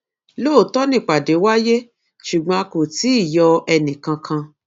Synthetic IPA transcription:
lo˦˨tɔ˦nĩ˦˨k͡pa˨de˨˦wa˦je˦ | ʃu˨ɡ͡bɔ̃˧a˧ko˨ti˨˦i˦˨jɔ˧ɛ˧nĩ˨kã˧kʰã˧

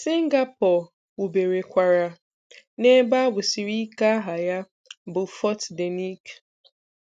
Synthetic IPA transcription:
si˦ŋ˦ɡa˦pɔ˨ | u˨be˨ɾe˨kʷa˨ɾa˨ | ne˦ba˦bʊ˨si˨ɾi˦ka˦ɦa˨ja˦ | bʊ˨fɔ˦tde˨ni˦k

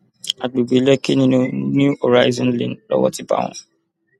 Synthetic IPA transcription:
a˨ɡ͡be˨ɡ͡be˨˦lɛ˦ke˦nĩ˦nũ˧njũ˦o˨ɾa˦i˦zɔ̃˦nlḭ̃˨nlɔ̰˦wɔ̰˦ti˦ba̰˦˨w̃ɔ̃˧

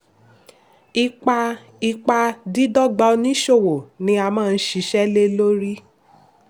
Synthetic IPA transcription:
i˧k͡pa˧ | i˧k͡pa˧di˦dɔ˦ɡ͡ba˧nĩ˦ʃo˦˨wo˨nĩ˧˦a˧mãː˦˧n̩˦ʃi˨˦ʃɛ˦le˦lo˦ɾi˦

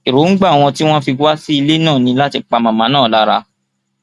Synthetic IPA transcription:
i˨ɾo˨˦ŋ̩˦ɡ͡ba˦˨w̃ɔ̃˧ti˦w̃ɔ̃˦fi˧wa˦si˦i˧le˦nã˦˨nĩ˧la˦ti˧˦k͡pa˧mã˨mã˨˦nãː˦˨la˦ɾa̰˧

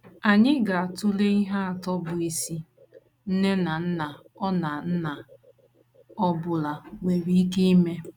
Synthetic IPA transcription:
a˨ɲɪ˦ɡa˨a˨tʊ˦le˦i˦ɦa˦a˨tɔ˦bʊ˨i˨si˦ | n̩˦ne˦na˨n̩˦na˨ | ɔ˦na˨n̩˦na˨ | ɔ˦bʊ˨la˨ŋʷe˨ɾi˦i˦ke˦i˦me˦

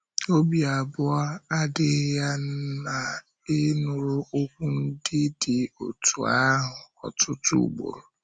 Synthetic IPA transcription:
o˦bi˨a˨bʊ˦a˦a˦dɪ˦ja˦n̩˦na˨ | ɪ˦nʊ˨ɾʊ˦ʔo˦kʷu˦n̩˦dɪ˦dɪ˨o̰˨tʰṵ˨a˦ɦʊ˨ɔ̰˨tʊ˦tṵ˨ɡ͡bo̰˨ɾʊ˨

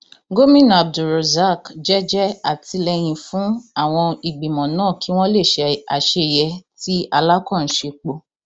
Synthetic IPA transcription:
ɡo˦mĩ˦˨na˨b̚du˨ɾo˨za˦˨kd͡ʒɛ˦d͡ʒɛ˦a˦˨ti˧lɛ˧j̃ĩ˧fũ˨˦a˦˨w̃ɔ̃˧i˨ɡ͡bĩ˨mɔ̃˨nãː˦˨ki˨˦w̃ɔ̃˦le˦˨ʃɛ˧a̰˨ʃe˧jɛ˧ti˦a˧la˦kɔ̃˦˨ñ̩˨˦ʃe˧k͡po˧

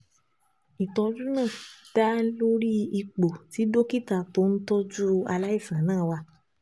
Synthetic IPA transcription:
i˨tɔ̃˧d͡ʒu˦nã˦˨d̥a˦lo˦ɾi˦i˧k͡po˨ti˨˦do˦ki˦ta˧˨to˦n̩˦tɔ˦d͡ʒu˦a˧la˦i˦˨fã˨˦nãː˦˨wa˧

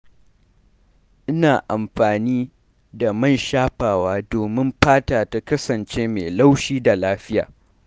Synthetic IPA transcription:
ʔɪ˦naː˨ʔa˨mɸaː˨niː˦ | da˨mɐ˦˨nʃaː˦ɸaː˨waː˦doː˨mɪ˦mɸaː˦taː˨ta˦kɐ˦sɐ˨nt͡ʃeː˦mḛ˨la˦wʃiː˦da˨laː˦ɸɪ˦ja̰ː˨

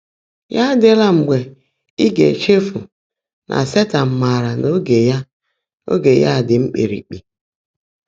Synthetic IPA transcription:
ja˦dɪ˦la˦ŋ͡m̩˨ɡ͡be˨ | i˦ɡḛ˨t͡ʃe˦fu˨ | nʔa̰˨se˦ta˨m̩˨ma˨ɾa˨no˦ɡe˨ja˦ | o̰˦ɡe˨ja̰˦˨dɪ˨ŋ͡m̩˦k͡pḛ˨ɾḭ˨k͡pi˨

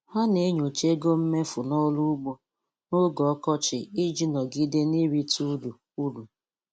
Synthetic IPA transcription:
ha˦ne˦ɲo˨t͡ʃe˦ɡo˦m̩˦me˦fʊ˨nɔ˦lu˦ɡ͡bo˦ | no˦ɡɔ˨ɔ˦kɔ˦t͡ʃɪ˨i˦d͡ʒi˦nɔ˨ɡi˦de˦ni˦ɾi˦tu˦du˨ | u˦du˨

